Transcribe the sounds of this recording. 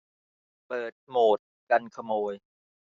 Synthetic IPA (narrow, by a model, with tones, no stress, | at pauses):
pɤː˨˩t̪̚moː˨˩t̪̚ | ka˧nkʰa˧moː˧j